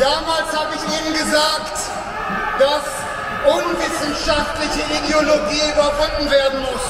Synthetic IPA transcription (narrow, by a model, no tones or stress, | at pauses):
d̥aːmaːlshaːbəɪçiːbnɡəzaːkt | d̥as | ʔʊnvɪsn̩ʃaftlɪçəʔideoloɡiːybɐvʊndn̩veːɐdn̩mʊs